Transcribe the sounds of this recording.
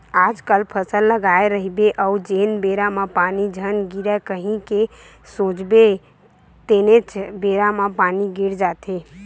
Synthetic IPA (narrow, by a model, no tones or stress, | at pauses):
aːd͡ʒkəlpʰəsəlːəɡaeɾəɦibeʔəud͡ʒeːnbeɾamãpanid͡ʒʱənɡiɾakəɦĩke | sõt͡ʃbe | t̪enet͡ʃbeːɾamãpaniɡiɾd͡ʒaːt̪e